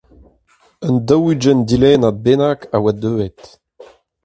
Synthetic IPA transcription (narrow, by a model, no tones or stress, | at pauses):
ənd̪ɔwyd͡ʒɛnd̪ilɛːnabenakawad̪øːɛt̪